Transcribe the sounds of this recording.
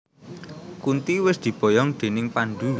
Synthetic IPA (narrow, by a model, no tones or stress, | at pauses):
kunt̪iwɪsd̪̥i̤b̥ɔ̤jɔŋd̪̥e̤nɪŋpanɖ̪u